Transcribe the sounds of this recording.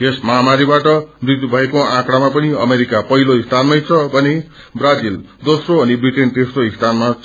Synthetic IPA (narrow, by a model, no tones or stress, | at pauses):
esmaamaɾibaʈʌbrit̪ubʱʌjkoãkɽamapʌniʌmeɾikapʌɦiloist̪ʰanmajt͡sʰʌbʱʌne | brad͡zil | d̪osroʌnibriʈent̪esroist̪ʰanma